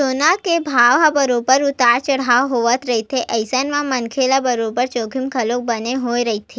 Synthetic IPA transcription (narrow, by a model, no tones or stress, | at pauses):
onakebʱaʋabəɾobəɾʊt̪aɾt͡ʃəɽaʋɦoʋət̪ɾəɦit̪ʰeʔəjsanmãmənkʰelabəɾobəɾt͡ʃoɡʱimkʰəlok̚bəneɦojɾəɦit̪ʰe